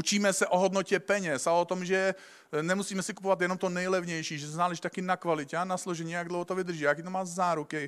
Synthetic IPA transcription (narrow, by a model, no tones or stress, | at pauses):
ʔut͡ʃiːmɛsɛʔoɦod̪nocɛpɛɲɛsalɛot̪omʒɛ | nɛmusiːmɛsɪku̥povat̪jɛnomt̪onɛjlɛvɲɛjʃiːʒɛszaːlɛʒit̪akɪnakvalɪcɛanasloʒɛɲiːjaɡ̚dlowɦot̪ovɪd̪r̩ʒiːajakit̪omaːzaːɾukɪ